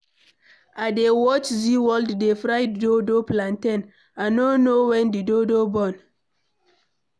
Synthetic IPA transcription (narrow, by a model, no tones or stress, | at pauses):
adewɔt͡ʃziwɔlddefɹaɪddodoplãntɛ̃n | anonowɛ̃ndidodobɔ̃n